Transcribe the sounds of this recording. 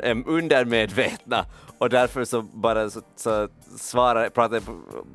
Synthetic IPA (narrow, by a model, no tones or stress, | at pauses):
ʔɛʉnd̪əɾmeːd̪ʋeːt̪nə̰ɔd̪æɾfɔɾsɔbɑːɾəssɔ | sʋɑːɾəpʰɾɑːt̪əp